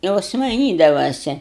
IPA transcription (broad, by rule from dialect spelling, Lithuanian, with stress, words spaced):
ˈjoːs mɐɪˈnʲiːdɐʋɐsʲɛ